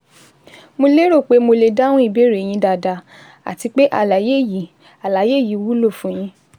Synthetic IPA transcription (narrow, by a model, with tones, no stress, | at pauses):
mo˧le˦ɾo˦˨k͡pe˨˦mo˧le˧da˦w̃ɔ̃˦i˦˨be˦˨ɾe˨j̃ĩ˧˦da˧˨da˧ | a̰˨ti˧k͡pe˦ʔa̰˦˨la˨je˦˨ji˨ | a˨la˨˦je˦˨ji˨˦wu˦lo˦˨fũ˨˦j̃ĩ˧˦